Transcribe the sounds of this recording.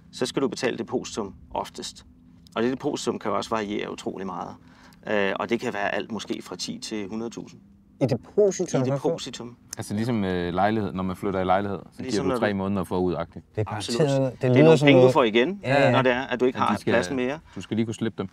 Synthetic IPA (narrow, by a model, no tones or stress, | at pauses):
sɒ̽sɡ̥æɾ̥ub̥e̝̥t͡sʰɛ̰ːləd̥e̝pʰo̝̰ːsi̥t͡sʰɔ̽m̰ʔɒ̽fd̥əsd̥ | ʔɒ̽d̥ed̥əpʰo̝ːsi̥t͡sʰɔ̽m̰kʰæjoɒ̽sʋɑ̈ʁie̝̰ːɐut͡sʰʁo̝̰ːlimɑ̈ːð̞̩ˠ | ʔøɒ̽d̥e̝kʰæʋæːɐʔæl̰d̥mɔ̽sɡ̥e̝̰ːfʁɑ̈t͡sʰḭːt͡sʰe̝hunɐð̩ˠt͡sʰṵːsn̩ | dʰosiid̥epʰo̝̰sit͡sʰɔ̽mælsəlisɒ̽mølɑ̈ɪlihe̝ð̰ˠnɒmænfløɾ̥ɐilɑ̈ɪlihe̝ð̞̰ˠsɒɡ̥ḭɐ̰mdt͡sʰʁɛ̰ːmɔ̽ːnð̩ˠɐfɒ̰ːuðˠɑ̈ɡ̥̚d̥i̥ɑb̥soud̥d̥epʰeŋəd̥ufɒiɡ̥ennɒd̥e̝æɐʔæd̥ue̝ɡ̥hɑ̈sɡlæsn̩me̝ːɐd̥usɡ̥æliːkʰusleb̥̚d̥em